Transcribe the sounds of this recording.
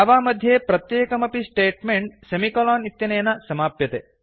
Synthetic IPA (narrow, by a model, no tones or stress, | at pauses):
ɐʋaːmɐd̪ʱjeːpɾɐt̪jeːkɐmɐpisʈeːʈmeɳʈsɐmikɐlaːnit̪jɐnɐjnɐsɐmaːpjɐt̪e